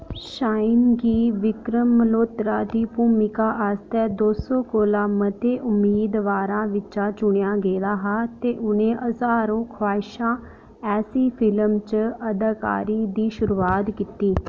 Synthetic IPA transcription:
ʃaːɪnɡiːʋɪkɾəmːəloːt̪ɾaːd̪iːpuːmɪkaːʔaːst̪ɛːd̪oːsõːkoːlaːmət̪eːʔʊmːiːd̪ʋaːɾãːʋɪt͡ʃaːt͡ʃʊɳjaːɡeːlaːɦaːt̪eːʔʊnẽːʔəzaːɾõːkʰwaːɪʃãː | ɛːsiːpʰɪləmt͡ʃəd̪əka̰ːɾiːd̪iːʃʊɾuːaːt̪kit̪iː

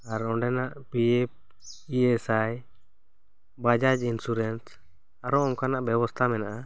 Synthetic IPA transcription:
aɾɔɳɖɛnaʔpiɛp̚ | iɛsaj | bad͡ʒad͡ʒinsuɾɛns | aɾɔɔŋkanaʔbɛbɔst̪ʰamɛnaʔa

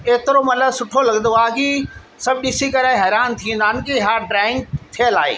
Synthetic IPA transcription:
eːt̪ɪɾomɐt̪ləbsʊʈʰolɐɡnd̪oaːki | sɐbɗisikɐɾaɦɛːɾaːnt̪ʰĩːə̃nd̪aːnɪkiɦaːɾɖɾaːɪ̃ŋɡ̚t̪ʰijəlaːɦḛː

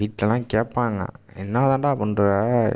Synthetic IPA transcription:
iːʈlɐlãːkeːʈpːaːŋɡɐ̰ | ɛnːaːðãːɳɖaːpɔnɖɯ

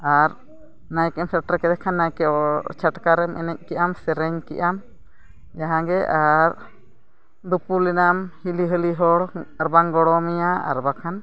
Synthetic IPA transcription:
aɾ | najkɛɔmsaʈɾakɛd̪ɛkʰanːajkɛɔt͡ʃʰaʈkaɾɛmʔɛ̰nɛc̚ˀkiʔamsɛɾɛɲkḭʔam | d͡ʒaɦãɡɛʔaɾ | d̪upulɛnamhiliɦəliɦɔɽaɾbaŋɡɔɽɔmijaa̰ɾbakʰan

